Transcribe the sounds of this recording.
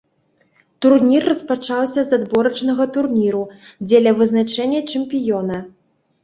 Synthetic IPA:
t̪urnʲirːɐspat͡ʂawsʲɐzad̪bɔɾɐt͡ʂnɐɣɐt̪urnʲiɾud͡zʲɛlʲɐvɨznat͡ʂɛnʲːɐt͡ʂɨmpʲijɔnɐ

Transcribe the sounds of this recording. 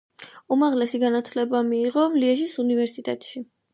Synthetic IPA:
umaʁlɛsiɡanat̪ʰlɛbamiːʁɔmliɛʒisunivɛɾsit̪ʼɛt̪ʼʃi

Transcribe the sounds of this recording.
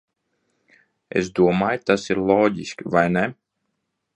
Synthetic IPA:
ḛsd̪uɔmaːjt̪asiɾlˠɔːɟʲiskʲivajnɛ

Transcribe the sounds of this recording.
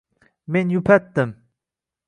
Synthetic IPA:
menjupʰæt̪ːəm

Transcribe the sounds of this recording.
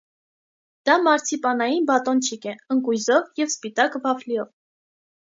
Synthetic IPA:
d̪̥ɑmɑɾt͡sʰipɑnɑjinbɑt̪ɔnt͡ʃʰikɛəŋkujzɔvjɛvspit̪ɑkvɑfliɔv

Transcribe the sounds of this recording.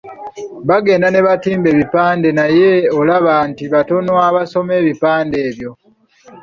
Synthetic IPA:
βaɡe̞ːndane̞βatiːmbe̞ːβipaːnde̞naje̞olaβaːntiβato̞nwaβaso̞me̞ːβipaːnde̞ːβjo̞

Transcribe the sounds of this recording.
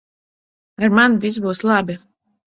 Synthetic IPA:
aɾmanvʲis̬buːslˠabi

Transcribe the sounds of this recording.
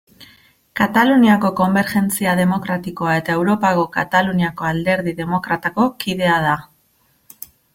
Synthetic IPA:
kat̪aluniako̞ko̞mbe̞ɾxe̞nt͡siaðe̞mo̞kɾat̪iko̞ae̞t̪ae̞wɾo̞paɣo̞ka̰t̪aluniako̞ald̪e̞ɾðiðe̞mo̞kɾat̪ako̞kiðe̞að̞a

